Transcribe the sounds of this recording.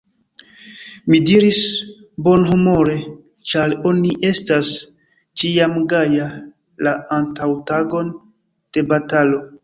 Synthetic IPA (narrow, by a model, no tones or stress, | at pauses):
midiɾis | bo̞nɦumo̞ɾe̞ | t͡ʃaɾo̞niʔe̞stas | t͡ʃiamɡaja | laːntawtaɡo̞n | d̥e̞batalo̞